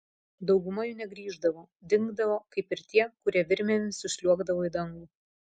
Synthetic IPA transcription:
d̪ɒʊɡʊmɐjʊːnʲɛɡɾʲiːʒd̪ɐʋoː | d̪ʲɪŋɡd̪ɐʋoːkɐɪpɪɾt̪ʲiɛkʊɾʲiɛʋʲɪɾʲmʲɛnʲsʊsʲlʲuɔɡd̪ɐʋoːid̪ɐŋɡuː

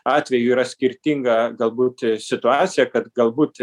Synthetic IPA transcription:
ɑːt̪ʲʋʲɛjuiːɾɐsʲkʲɪɾʲt̪ʲiŋɡɐɡɐlˠbuːt̪sʲɪt̪ʊɑːt̪sʲɪjɛkɐt̪ɡɐlˠbuːt̪

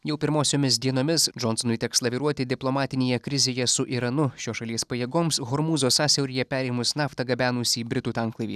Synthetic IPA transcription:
jɛʊpʲɪɾmoːsʲoːmʲɪs̬d̪ʲiɛnoːmʲɪsd͡ʒɔnsɔnʊɪt̪ʲɛkslˠɐʋʲiːɾuɔt̪ʲɪd̪ʲɪplˠɔmɑːt̪ʲɪnʲeːjɛkɾʲɪzʲeːjɛsʊʔiɾɐnʊʃʲoːʃɐlʲiɛspɐjeːɡoːmsɣɔɾmuːzoːsɑːsʲɛʊɾʲijɛpʲæːɾʲɛɪmʊsnɑːft̪ɐɡɐbʲæːnuːsʲiːbʲɾʲɪt̪uːt̪ɑŋklˠɐɪʋʲiː

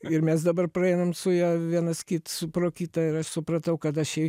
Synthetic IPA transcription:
ɪɾmʲɛsd̪ɐbɐrpɾɐɛɪnɐmsʊjɛʋʲiɛnɐskʲit̪sʊpɾoːkʲiːt̪ɐɪɾɐʃsʊpɾɐt̪ɐʊkɐt̪ɐʃɛɪ

